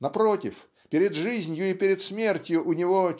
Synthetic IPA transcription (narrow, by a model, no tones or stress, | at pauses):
nɐpɾotʲɪf | pʲɪɾʲɪd̪ʐɨzʲnʲjʊipʲɪɾʲɪt̪smʲe̞rtʲjʊʔʊnʲɪvo